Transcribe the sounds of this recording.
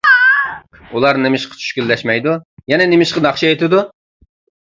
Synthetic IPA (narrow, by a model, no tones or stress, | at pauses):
ulˠɑɾnɪmɪʃqʰə̥t͡ʃʰy̥ʃkʲylːɛʃmɛjd̪ujɛnɛnɪmɪʃqɑnɑχʃiet̪ʰɪd̪u